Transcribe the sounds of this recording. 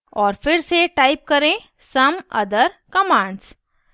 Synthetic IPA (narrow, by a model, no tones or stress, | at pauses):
ɔːɾfɪɾseʈaːɪp̚kɐɾẽ | sɐmɐ̰d̪əɾkɐmãːɳɖs